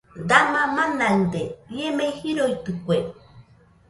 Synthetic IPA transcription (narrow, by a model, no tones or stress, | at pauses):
d̪amamanand̪eiemehiɾojt̪ɨkʷe